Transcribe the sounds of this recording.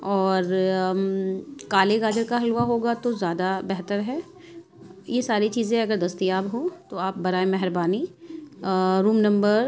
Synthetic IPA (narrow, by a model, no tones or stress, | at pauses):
ɔːɾ | kaːleɡaːd͡ʒəɾkaɦɐlʋaɦoːɡat̪ozjaːd̪abɛɦt̪əɾɦɛː | jesaːɾit͡ʃiːzẽɦɐɡəɾd̪ɐst̪ijaːbɦõt̪oaːp̚bɐɾaːemɛɦɾbaːni | ɾuːmnɐ̃mbəɾ